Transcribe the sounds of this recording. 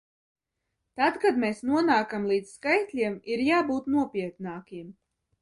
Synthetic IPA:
t̪at̪kad̪meːsnuɔnaːkamlˠiːd̪sskajt̪ʲlʲiɛmiɾjaːbuːt̪nuɔpʲiɛt̪naːkʲim

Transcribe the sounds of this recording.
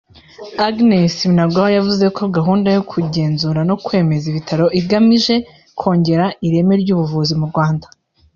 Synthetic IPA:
aɡnesinaɡahojavuze̞kʰo̞ɡaɦuːndajo̞kʰuɟe̞ːnzuːɾano̞kwe̞ːme̞ziβitʰaɾo̞ʔiɡamiʒe̞ | kʰo̞ːɲɟe̞ɾaiɾe̞meɾɟuːβuvuːzimuɾɡwaːndḁ

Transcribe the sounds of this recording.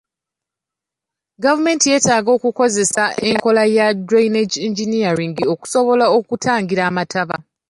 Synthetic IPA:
ɡavume̞ːntije̞ːtaːɡo̞ːkuko̞ze̞saʔe̞ŋko̞lajadɾajneciɲɟinijaɾiŋɡio̞ku̥so̞βo̞laokutaːŋɡiɾaːmatʰaβa

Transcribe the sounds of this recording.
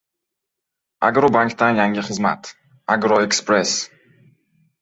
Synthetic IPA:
ʔa̰ɡɾobaŋkt̪ajaŋɡʲiχɨzma̰t̪ | aɡɾoekspɾɛs

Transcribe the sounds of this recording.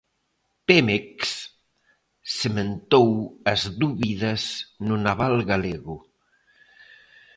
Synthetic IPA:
pemeks | semẽnt̪owɐzðuβiðɐznʊnaβalɣaleɣʊ

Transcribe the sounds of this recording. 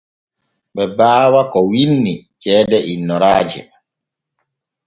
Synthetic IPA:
ɓɛbaːwakɔwinːit͡ʃɛːdɛʔinːɔɾaːd͡ʒɛ̰

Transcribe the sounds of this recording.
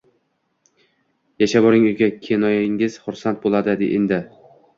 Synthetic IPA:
jaʃabɒɾɪŋʊjɡʲakʲʰenɒjɪŋɪz̥χʊɾsant̪̚bolˠad̪ɪd̪ɪ̰ʔend̪ɪ

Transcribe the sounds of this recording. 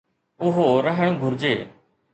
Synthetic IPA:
ʊɦoɾəɦəɽ̃õːɡʱʊɾd͡ʑeː

